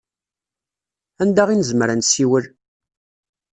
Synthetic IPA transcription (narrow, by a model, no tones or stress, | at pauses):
ænd̪æʁinəzmɾænsiwəl